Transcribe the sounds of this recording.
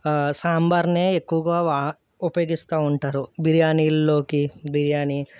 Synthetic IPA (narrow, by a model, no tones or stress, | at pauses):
saːmbɐɾneːekːuʋɐɡaːʋ | upɐjoːɡist̪aːuɳʈaːɾubiɾjaːniːllo̞ːkibiɾjaːni